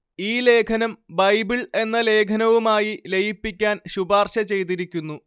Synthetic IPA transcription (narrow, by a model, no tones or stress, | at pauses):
iːle̞ːkʰɐnɐmbɐjbiɭe̞nːɐle̞ːkʰɐnɐʋumaːjile̞jipːikʲːaːnɕubaːrɕɐt͡ɕe̞jt̪̬iɾikʲːunːu